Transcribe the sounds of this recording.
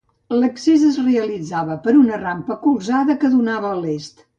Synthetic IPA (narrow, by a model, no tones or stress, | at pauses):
ləksizəzreəlid͡zaβəpəɾunərampəkulˠzaðəkəðunaβəːlest̪